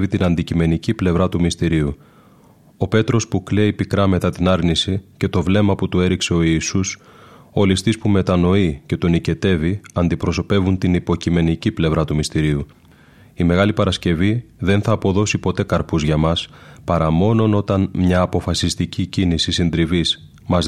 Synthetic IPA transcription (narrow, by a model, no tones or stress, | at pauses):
vit̪inɐnd̪icime̞niciple̞vɾɐt̪umist̪iɾiu | o̞pe̞t̪ɾo̞spukle̞ipikɾɐme̞t̪ɐt̪inɐɾnisice̞t̪o̞vle̞mɐput̪ue̞ɾikse̞o̞iːsus | o̞list̪ispume̞t̪ɐno̞ice̞t̪onice̞t̪e̞viɐnd̪ipɾo̞so̞pe̞vunt̪inipo̞cime̞niciple̞vɾɐt̪umist̪iɾiu | ime̞ɣɐlipɐɾɐsce̞viðe̞nθɐːpo̞ðo̞sipo̞t̪e̞kɐɾpuzʝɐmɐspɐɾɐmo̞no̞no̞t̪ɐnmɲɐːpo̞fɐsist̪icicinisisind̪ɾivis | mɐz